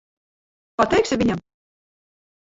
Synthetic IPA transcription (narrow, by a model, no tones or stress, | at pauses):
pat̪ɛjksʲɪvʲiɲʲam